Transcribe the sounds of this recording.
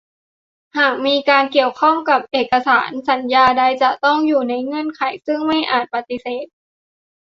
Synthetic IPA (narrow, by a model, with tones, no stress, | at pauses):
haː˨˩k̚miː˧kaː˧nki˨˩əwkʰɔ˥˩ŋmka˨˩p̚ʔeː˨˩k̚ːa˧saː˩˦nsa˩˦njaː˧da˧jt͡ɕa˨˧˩t̪ɔ˥˩ŋjuː˨˩na˧jŋɤ˧˥˨nkʰa˩˦jsɯ˥˩ŋma˥˩jʔaː˨˩t̪̚pa˧t̪i˧˦seː˨˩t̪̚